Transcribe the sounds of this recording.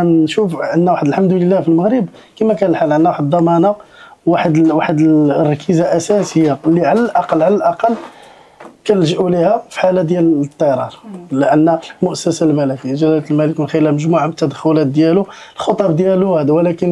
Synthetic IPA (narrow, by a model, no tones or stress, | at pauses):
ænʃufʔənːæwaħəd̪əlħamd̪ləlːæfilməɣɾəb | kimækænəlħalʔənːæwaħəd̪ːɑmɑnawaħəd̪waħəd̪rˤːɑkʰizaʔæsæsəjːalːiʕalælʔɑqɑlːʕalælʔɑqɑlː | kænəlʒəʔulihæfi̥ħalːæd̪jælt̪ˤːɑjɾˤɑɾˤləʔənːæmʊʔəsəsalmælækiʒælælt̪lmæləknxəjːəlæməʒmuʕabət̪ːæd̪əxʊlæt̪̚d̪jælulxot̪ˤɑb̚d̪jæluhæd̪æwlækən